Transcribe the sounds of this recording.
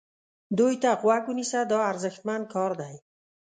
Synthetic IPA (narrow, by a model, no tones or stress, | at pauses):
d̪ojt̪aqʊwakunisad̪ɔaɾzəxt̪̚mand̪̚kʰɔɾd̪aj